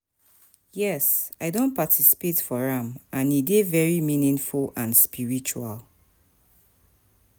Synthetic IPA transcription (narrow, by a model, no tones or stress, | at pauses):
jɛsaɪdõnpatʰisi̥petfɔɹãmãnidevɛɹimĩnĩŋfulãnspiɹit͡ʃua̰l